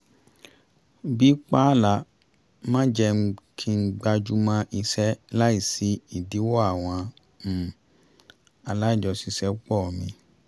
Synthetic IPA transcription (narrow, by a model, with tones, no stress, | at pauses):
bi˦k͡pa˦˨la˨˧˦ | mã˦d͡ʒɛ˧˦˧kʰi˧ŋ̩˦ɡ͡ba˧d͡ʒu˦˧mã˧ʔi˧sɛ˦la˦i˦˨si˨˧˦i˨di˨˦wɔ˦a˨w̃ɔ̃˧˦˨ | a˧la˦i˦˨d͡ʒɔ˧si˧sɛ˦k͡pɔ˦˨mĩ˧